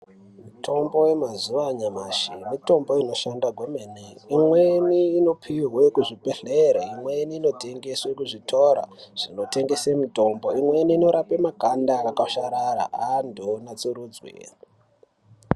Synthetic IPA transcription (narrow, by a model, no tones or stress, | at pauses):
mutʰo̞mbo̞we̞mazuʋaɲamaʃimito̞mbo̞ino̞ʃandaɡʱwomeneimweniːno̞pʰirwekuʐibʱeɬeɾaimweniːno̞te̞ŋɡe̞swekuʐitʰo̞ɾa̰ʐ̥ino̞te̞ŋɡe̞semuto̞mbo̞imwe̞niːno̞ɾapemakandaːkaʃaɾaɾa̰ʔandʱonat͡suɾud͡zwḛ